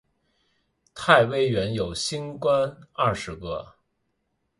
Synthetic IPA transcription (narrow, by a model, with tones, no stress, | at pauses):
t̪ʰa˥˩ɪwe˥ɪɥɛ˧˥njo˨˩ʊɕi˥nkwa˥nɐ˥˩ʂɻ̩˧˥kɤ̰˥˧